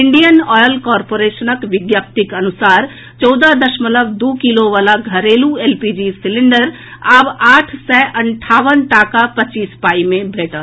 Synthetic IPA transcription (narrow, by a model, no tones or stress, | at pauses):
ɪɳɖijənɔːjəlkɔːɾpoːɾeːʃənəkʋɪɡ̪jaːp̚t̪ɪkɐnʊsaːɾ | t͡ʃɔːd̪ad̪əʃmələbd̪oːkiloʋaːlaɡʱɐɾeːlueːlpid͡ʒisɪlɪɳɖəɾ | abaːʈʰsɛʔɐɳʈʰaːʋənʈaːkapɐt͡ʃːiːspaːimẽbʱeːʈə